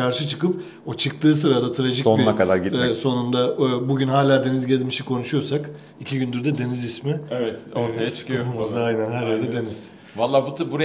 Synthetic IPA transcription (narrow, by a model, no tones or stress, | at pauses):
aɾʃɯt͡ʃʰɯkɯp | ot͡ʃʰɯk̚t̪ʰɯːs̬ɯɾad̪at̪ʰɾaʒicsoniakʰad̪aɾɟiso̞nund̪abuɟynɦaːlʲaːd̪e̞nizɟelʲmiʃikʰo̞nuʃujo̞sak | icʰiɟynd̪yɾd̪ɛd̪e̞nizismievɛt̪oumuzaajnænɦæɾjæɾd̪ɛd̪e̞niz̥ | valˠːaːbut̪ʰbuɾa